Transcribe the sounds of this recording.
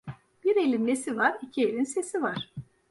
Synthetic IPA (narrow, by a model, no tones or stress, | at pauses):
b̥iɾe̞lʲinlesivaɾicʰielʲinse̞sivaɾ̥